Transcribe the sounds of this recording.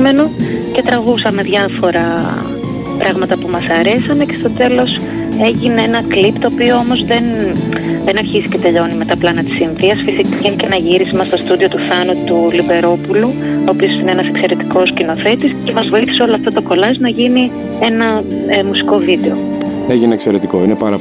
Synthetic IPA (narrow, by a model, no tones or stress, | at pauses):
me̞noce̞t̪ɾɐɣusɐme̞ðʝɐfo̞ɾɐ | pɾɐɣmɐt̪ɐpumɐsɐɾe̞sɐne̞ce̞st̪o̞t̪e̞lo̞s | e̞ʝineenɐklipt̪o̞ːpioo̞mo̞zðe̞n | ðenɐɾçizice̞t̪e̞ʎo̞nimɐt̪ɐplɐnɐt̪i̥sinðiɐsfisikiicenɐʝiɾisimɐst̪o̞st̪uðio̞t̪uθɐnɐt̪ulibe̞ɾo̞puluoːpiosineenɐsekse̞ɾe̞t̪i̥ko̞scino̞θe̞t̪isce̞mɐzvo̞iθi̥se̞o̞loɐft̪o̞t̪o̞ko̞lɐznɐʝini | e̞nɐ | musi̥ko̞vid̪e̞o̞ | eʝineekse̞ɾe̞t̪iko̞inepɐɾɐ